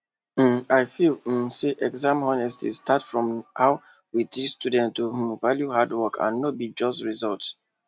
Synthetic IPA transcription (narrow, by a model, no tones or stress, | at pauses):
aɪfil̩seʔɛɡzãmhɔnɛstʰḭstʰatfɹɔ̃mhaʊ | widistʰudɛ̃ntuhũmvaljuhadwɔkʰã̰nːobid͡ʒɔstɹizɔlts